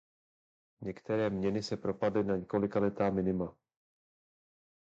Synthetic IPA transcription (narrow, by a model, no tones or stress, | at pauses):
ɲɛkt̪ɛɾɛːmɲɛnɪsɛpɾo̞padlɪnaɲɛko̞lɪkalɛt̪aːmɪnɪma